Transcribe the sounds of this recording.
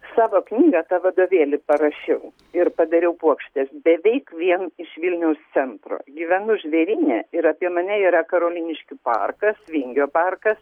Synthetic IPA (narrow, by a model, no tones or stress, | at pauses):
sɑːʋoːknʲiːɡɑt̪ɑːʋɐd̪oːʋʲeːlʲɪpɐɾɐʃʲɛʊ | ɪɾpɐd̪ɐɾʲɛʊpuɔkʃʲt̪ʲɛsbʲɛʋʲɛɪkʋʲiɛnɪʃʋʲɪlʲnʲɛʊst̪sʲɛnt̪ɾo̰ːɡʲiːʋʲɛnʊʒʲʋʲɛɾʲiːnʲɛɪɾɐpʲiɛmɐnʲɛiːɾɐkɐɾoːlʲiːnʲɪʃʲkʲɪpɑ̰ːrkɐsʋʲɪŋʲɡʲoːpɑːrkɐs